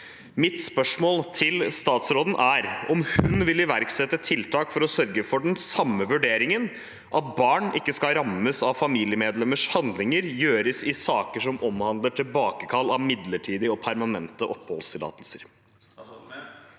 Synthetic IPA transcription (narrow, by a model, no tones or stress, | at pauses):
mɪt̪spœʂmoːlt̪ʰɪlst̪ɑːt̪sɾoːd̪n̩ʔæːɾɔmhʉnʋɪlɪʋæɾksɛt̪ːət̪ʰɪlt̪ʰɑːkfɔɾɔsœɾɡəfɔɖɛnsɑmːəʋʉɖeːɾɪŋən | ʔɑt̪̚bɑːɳɪkːəskɑɾɑmːəsɑʋfɑmiːlɪəmeːd̪lɛmːəʂhɑnd̪lɪŋəɾjøːɾəsɪsɑːkəʂɔmɔmhɑnd̪ləʈʰɪlbɑːkəkʰɑlːɑʋmɪd̪ləʈʰiːd̪ɪɔpʰæɾmɑnɛnt̪əʔɔpːhɔ̰lst̪ʰɪl̰ːt̪əlsəɾ